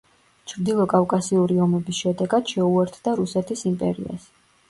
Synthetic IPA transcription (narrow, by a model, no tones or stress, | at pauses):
t͡ʃʰɾd̪ilˠɔkʼafkʼasiuɾiɔmɛbisʃɛd̪ɛɡad̪̥ʃɛuɛɾt̪ʰd̪aɾusɛt̪ʰisimpʼɛ̰ɾḭa̰s